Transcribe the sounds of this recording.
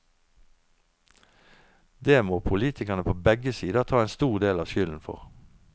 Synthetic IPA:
d̪eːmoːpʰʊliːt̪ʰɪkəʁnəpʰoːbɛɡəsiːd̪ət̪ʰɑːeːnst̪uːʁd̪eːlɑːʃʏːln̩fɔ̰ʁ

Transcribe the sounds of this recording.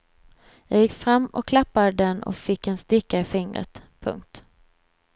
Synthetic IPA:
jɑːɡjɪkːfɾamːɔkʰːlapːad̪əd̪ɛnɔ̰kfɪkːɛnst̪ɪkːaɪfɪŋɾə̰t̪pʰɵ̰ŋk̚t̪

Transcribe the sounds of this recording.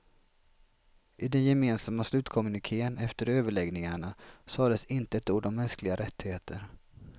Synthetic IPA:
ʔɪd̪ɛnjɛmeːnsamːaslʉ̟ːt̪kʰɔmɵnɪkʰeːənɛft̪əɾøːvəɭɛɡnɪŋaɳasɑːd̪ɛsɪnt̪əɛt̪uːɖɔmːɛnsklɪɡaɾɛt̪ːɪheːt̪ʰəɾ

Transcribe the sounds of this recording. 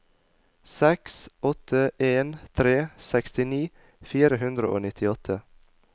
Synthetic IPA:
sɛksɔt̪ʰəʔeːnt̪ʰɾeːsɛkst̪ɪniː | fiːɾəhʉnd̪ɾəʔo̰ːnɪt̪ʰɪɔt̪ʰə

